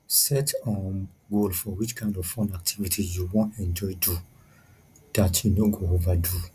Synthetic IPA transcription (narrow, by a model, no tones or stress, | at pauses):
sɛtɔ̃n | ɡolfɔwit͡ʃkʰãɪ̃ndɔvfɔ̃ndak̚tʰivitʰijuwɔ̃ntɛ̃nd͡ʒɔjdu | d̥atʰinoɡoovadu